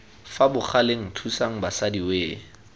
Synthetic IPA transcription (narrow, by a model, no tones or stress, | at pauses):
fabʊχʰaleŋ̩tʰusaŋ̩basadiweː